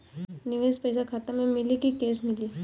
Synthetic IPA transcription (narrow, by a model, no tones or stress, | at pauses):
nɪʋeːspəɪsakʰaːt̪ẽmẽmɪlikikeːsmɪliː